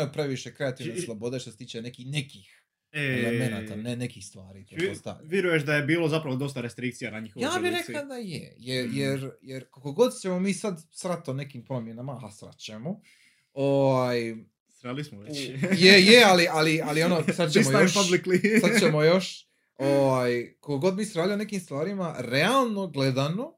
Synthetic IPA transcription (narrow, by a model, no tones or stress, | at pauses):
jupɾe̞ʋiʃe̞kɾe̞at̪iːʋneslˠobo̞d̪e̞ʃt̪oset̪iːt͡ʃene̞kihnekix | elemenat̪anenekixst̪ʋaːɾḭːt̪oost̪a̰ʋjeɾujeʃd̪ajebiːlozapɾaʋod̪o̞st̪aɾest̪ɾikt̪sijanaɲixojaːiɾekad̪ajḛjeɾjeɾjeɾkokoɡo̞d̪t͡ɕemo̞miːsad̪sɾat̪one̞kimpɾo̞mje̞namaasɾa̰t͡ɕemo | oʋaj | sɾalismoʋejejealialialio̞nosad̪t͡ɕemojoʃabliklisad̪t͡ɕemojo̞ʃ | oʋajkokoɡo̞d̪miːsɾalimonekiːmst̪ʋaːɾimaɾe̞alˠno̞ɡle̞d̪ano̞